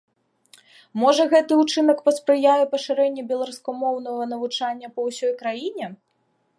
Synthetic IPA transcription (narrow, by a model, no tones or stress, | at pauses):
mɔʐɐɣɛt̪ɨut͡ʂɨnɐkpɐspɾɨjajɛpɐʂɨɾɛnʲːɐbʲɛlˠaɾuskɐmɔwnɐɣɐnɐvut͡ʂanʲːɐpɐwsʲɔjkɾajinʲɛ